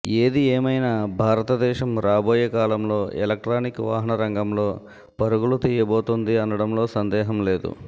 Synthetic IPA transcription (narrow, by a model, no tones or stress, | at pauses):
eːd̪ieːmɐjnaːbʱaːɾɐt̪ɐd̪ɛːʃɐmɾaːboːjɐkaːlɐmlo̞ːʔɛlɐk̚ʈɾaːnikʋaːɦɐnɐɾɐŋɡɐmlo̞ː | pɐɾuɡulut̪iːjɐboːt̪und̪iɐnɐɽɐmlo̞ːsɐnd̪ɛːɦɐmle̞ːd̪ṵ